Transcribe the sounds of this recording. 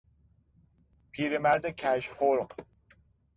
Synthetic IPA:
pʰiːɾemæɾd̪əkʰæʃhoɾ

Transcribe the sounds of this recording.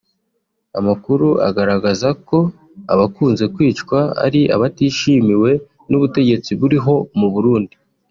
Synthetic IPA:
amakuɾua̰ɡaɾaɡazako̞ | a̰βakuːnze̞kwiːt͡ʃkwaa̰ɾiʔa̰βatiːʃimiwe̞ | nuβute̞ɟe̞t͡siβuɾiɦo̞muβuɾuːndi

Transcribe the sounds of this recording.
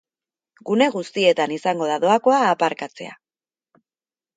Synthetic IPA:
ɡune̞ɣust̪ie̞t̪anisaŋɡo̞ð̞aðo̞ako̞aːpaɾkat͡se̞̰a̰

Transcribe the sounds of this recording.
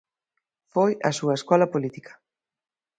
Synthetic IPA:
fojɐ̰suɐeskɔlɐpolit̪ikʰɐ̥

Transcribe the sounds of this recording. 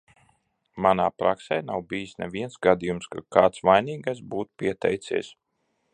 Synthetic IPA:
manaːpɾaksɛjnawbijsnɛvʲiɛnsɡad̪ijumskakaːt̪sʋajniːɡajs̬buːt̪u̥piɛt̪ɛ̰jt̪sḭɛs

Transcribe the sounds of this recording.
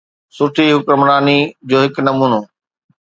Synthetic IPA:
sʊɾt̪ʰiɦʊkɾəmɾaːnid͡ʑoːɦɪknɐmuːnoː

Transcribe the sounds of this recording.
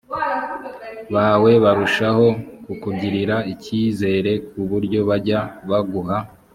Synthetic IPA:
βaːwe̞βaɾuʃaho̞kukuɟiɾiɾaiciːze̞ːɾe̞k̚uβuɾɟo̞βaɾɟaβaɡuɦa

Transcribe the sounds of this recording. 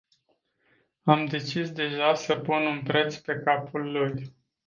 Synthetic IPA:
amd̪e̞t͡ʃisd̪e̞ʒasəpununpɾe̞t̪spe̞kapulːuj

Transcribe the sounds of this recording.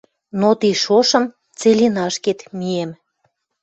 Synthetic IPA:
not̪iʃoʃə̆m | t͡selʲinɑʃket̪miem

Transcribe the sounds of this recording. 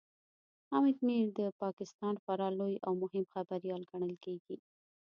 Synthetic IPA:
ɑmɪd̪miɾd̪əpɑkɪst̪ɑnfaɾɑlojawmʊhɪmxabaɾjɑlɡaɳ̃əlkeɡi

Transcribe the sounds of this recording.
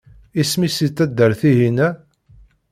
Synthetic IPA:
ismisit̪ːæd̪ːəɾθiɦinæ

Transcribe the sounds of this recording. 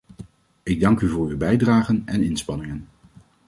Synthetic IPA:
ɪɡ̚dɑŋkyvʊːɹywbɛjdraːχənɛnɪnspɑnɪŋən

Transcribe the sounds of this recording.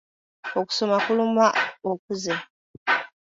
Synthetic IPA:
oku̥somakulumaok̚uze

